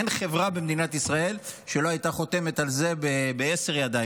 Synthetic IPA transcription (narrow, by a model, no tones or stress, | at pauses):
enχe̞vʁabemd̪inat̪isʁae̞lʃe̞loajt̪aχo̞t̪e̞me̞t̪alze̞bebeese̞ʁjad̪aj